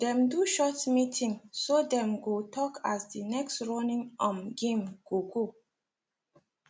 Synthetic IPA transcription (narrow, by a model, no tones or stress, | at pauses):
d̥ɛ̃mduʃɔtmitʰĩŋsodɛ̃mɡotʰɔkʰasdinɛkstɹɔnĩŋɔ̃mɡẽmɡ̥oɡo